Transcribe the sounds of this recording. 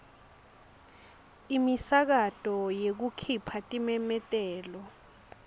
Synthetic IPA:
imisak̬atʼɔjek̬ukʰipʰatʼimɛmɛtʼɛːlɔ

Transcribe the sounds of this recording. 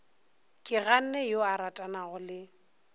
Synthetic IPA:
kʼɪɣan̩nɛjoaɾatʼanaɣʊlɪ

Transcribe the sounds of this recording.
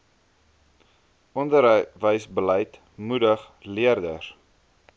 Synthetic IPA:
ʔɔndəɾvəjsbəlɛjt | mudəχ | liərdə̰r

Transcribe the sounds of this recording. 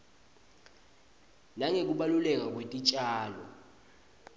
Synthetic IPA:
naŋek̬ʼuɓalulɛk̬ʼak̬ʼwetʼit͡ʃʼaːlɔ̰

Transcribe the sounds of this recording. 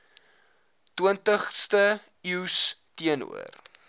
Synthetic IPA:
twuəntəχstə | iwstiənṵər

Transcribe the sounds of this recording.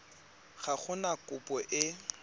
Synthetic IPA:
ɣaχʊnakʼʊpʼɔʔɪ

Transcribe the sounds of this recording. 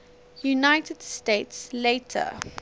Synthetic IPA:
junaɪtʰəd̥steɪtsleɪtʰə̰

